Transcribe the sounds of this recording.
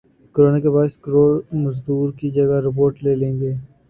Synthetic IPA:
kəɾoːnakebaːɪskɾoːɾmɐzd̪uːɾkid͡ʒɐɡaɾɪp̬oːɾʈleːlẽːŋɡeː

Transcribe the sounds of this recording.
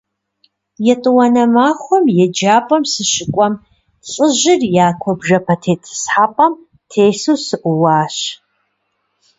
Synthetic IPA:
jɛtʼɨwɐnɐmaːxʷɔmjɛd͡ʒaːpʼɐmsɨɕɪkʷʼɔm | ɬʼɨʑɪrjaːkʷʰɔbʒɐpʰɐtʰeːtʰɨ̥sħaːpʼɐm | tʰeːsuːsɨʔʷʊwaːɕ

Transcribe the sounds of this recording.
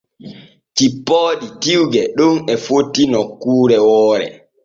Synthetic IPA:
tipːɔːɗitiwɡɛɗunɛfotːinɔkːuːɾɛwɔːɾɛ̰

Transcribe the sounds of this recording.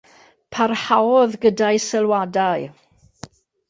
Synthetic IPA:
pʰarhawɔðɡədajsəlˠwadaj

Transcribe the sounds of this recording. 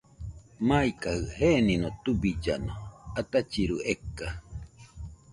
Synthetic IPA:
maikahɯhenĩnot̪ubid͡ʒa̰noat̪at͡ʃiɾuʔekːa

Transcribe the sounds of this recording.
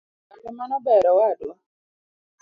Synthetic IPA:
akɛmanɔbɛɾɔwadɔ

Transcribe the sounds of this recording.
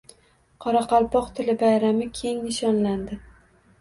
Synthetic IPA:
qʰɒɾɑqɑlˠpʰɒqt̪ʰɪlɪbajɾamɪkʲʰe̞ŋnɪʃɒnland̪ɪ

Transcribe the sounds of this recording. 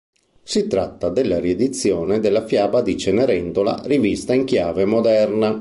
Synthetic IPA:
sit̪ɾat̪ːad̪elːaɾied̪it̪sːjɔːned̪elːafjaːbad̪it͡ʃeneɾɛnt̪ola̰rivist̪aiŋkjaːvemod̪ɛrna

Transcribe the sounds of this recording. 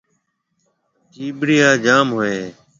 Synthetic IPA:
t͡ʃiːɓɾɪjaːd͡ʒaːmɦoːeː

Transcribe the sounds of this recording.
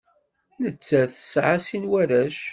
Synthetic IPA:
nət͡sːæθə̥sʕasinwæɾæʃ

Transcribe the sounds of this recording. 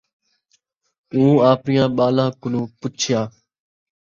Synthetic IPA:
ũːaːpɾɪjãːɓaːlãːkʊnũːpʊt͡ʃʰɪjãː

